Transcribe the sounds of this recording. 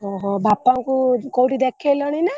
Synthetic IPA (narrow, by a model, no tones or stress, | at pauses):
ɔɦɔbapːaŋkukowʈid̪ɛkʰːelɔɽ̃ina